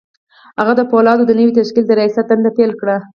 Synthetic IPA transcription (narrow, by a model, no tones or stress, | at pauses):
haɣad̪əpolɑd̪od̪ənəwit̪aʃkild̪əɾajɑsat̪̚d̪and̪apelkɽa